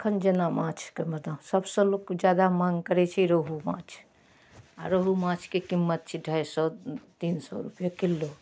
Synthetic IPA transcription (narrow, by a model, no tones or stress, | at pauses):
kʰənd͡ʒenamãt͡ʃʰkeməd̪asəbsə̃lokd͡ʒjad̪amaŋɡkəɾɛt͡ʃʰiɾoɦumã̰t͡ʃʰ | aɾoɦumãt͡ʃʰkekimːət̪̚t͡ʃʰiɖʱəjsɔt̪insɔ̰ɾṵpjakilːo